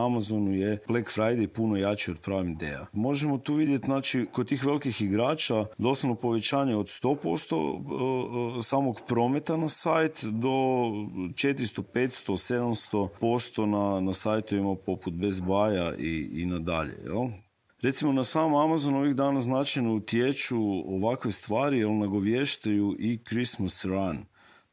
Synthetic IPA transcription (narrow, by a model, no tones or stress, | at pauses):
amazonujeblekfɾajd̪ejpunojat͡ʃio̞d̪̚pɾaːʋimd̪ḛja̰mo̞ʒemot̪uːʋid̪jet̪znaːt͡ʃikod̪̚t̪ːiːxʋe̞lˠikixiɡɾaːt͡ʃad̪o̞sanopo̞ʋet͡ʃaːɲeod̪st̪o̞po̞̰st̪o̰ | saːmo̞kpɾo̞met̪anasajt̪d̪o̞ | t͡ʃet̪ɾist̪opeːt̪st̪o̞sed̪amst̪o̞po̞st̪o̞nanasajt̪oʋimapo̞put̪̚bezbaːjaʔḭːnad̪a̰ʎḛjḛlˠ | ɾe̞t̪simo̞nasaːmamazono̞ʋiɣd̪aːnaznat͡ʃajnout̪jet͡ʃuoʋakʋe̞st̪ʋaːɾijelˠnaɡo̞ʋjeʃt̪ajuʔikɾismasɾan